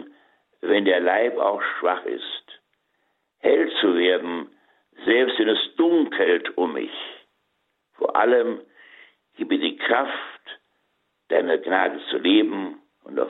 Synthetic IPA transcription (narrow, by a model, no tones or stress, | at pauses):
vɛndeːɐlaɪpa̰ʊxʃv̥aχɪ̰st | hɛlt͡suveːɐdn̩ | zɛlpstvɛnɛsd̥ʊŋkʰəltʔʊmːɪ̰ç | foːɐʔa̰ləm | ɡ̥iːbədiːkʁ̥aft | d̥aɪnəɡnaːdət͡suleːbm̩ | ʊnta̰ʊ